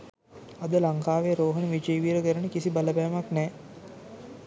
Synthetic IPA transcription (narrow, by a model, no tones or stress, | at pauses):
ad̪əlaŋkaːʋeɾoːɦənəʋid͡ʒəjʋiːɾəkəɾənəkisibaləbæːmaknɛː